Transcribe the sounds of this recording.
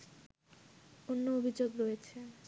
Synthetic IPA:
onːoobʱid͡ʑoɡɾojet͡ɕʰe

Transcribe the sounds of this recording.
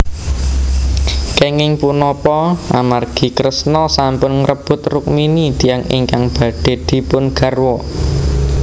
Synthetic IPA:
keŋɪŋpunɔpɔʔamarɡ̥i̤kɾəsnɔsampʊnŋɾəb̥ʊ̤t̪rʊk̚minid̪̥i̤jaŋɪ̰ŋkaŋb̥ä̤ɖ̥e̤d̪̥i̤pʊnɡ̥a̤rwɔ

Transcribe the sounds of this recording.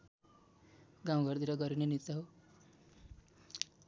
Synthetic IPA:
ɡãw̃ɡʱʌrd̪iɾʌɡʌɾinenit̪aɦo

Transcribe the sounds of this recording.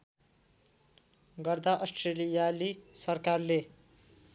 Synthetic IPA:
ɡʌrd̪aʔʌsʈrelijalisʌrkarle

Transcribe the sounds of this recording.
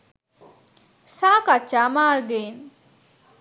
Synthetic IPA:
saːkat͡ʃːaːmaːɭɡ̪en

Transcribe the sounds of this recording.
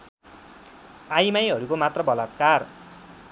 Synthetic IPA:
ajmajɦʌɾukomat̪rʌbʌlat̪kar

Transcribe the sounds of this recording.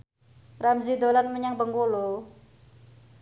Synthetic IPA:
ramzid̪olanməɲaŋbəŋkulu

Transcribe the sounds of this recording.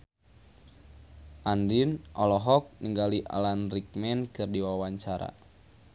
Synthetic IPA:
ʔandinʔɔlɔɦɔk̚niŋɡaliʔa̰lanrik̚mɛnkɨrdiwawaɲt͡ʃaɾa̰

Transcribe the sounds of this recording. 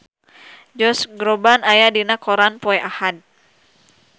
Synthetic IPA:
d͡ʒɔsɡɾɔbanajadinakɔɾanpɔɛʔahad̚

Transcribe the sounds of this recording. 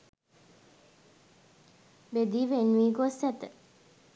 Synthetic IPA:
bed̪iːʋenʋiːɡosæt̪ə

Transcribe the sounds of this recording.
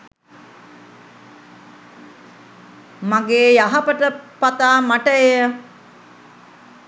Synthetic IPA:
maɡeːjaɦapəʈəpat̪aːmaʈəejə

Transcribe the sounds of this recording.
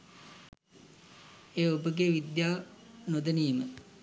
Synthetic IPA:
eːobəɡeʋid̪jaːnod̪əniːmə

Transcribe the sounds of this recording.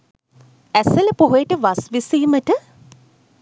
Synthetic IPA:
æseləpoɦujeʈəʋasʋisiːməʈə

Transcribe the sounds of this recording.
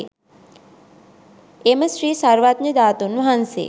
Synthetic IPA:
eməsɾiːsaɾʋat̪nid̪at̪onũɦãnsḛ

